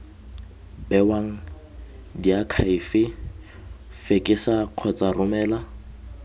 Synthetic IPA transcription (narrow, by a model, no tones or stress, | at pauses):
bɛwaŋ̩ | diakʰaifɪ | fekʼɪsaq͡χʰɔt͡sʼarʊmɛːla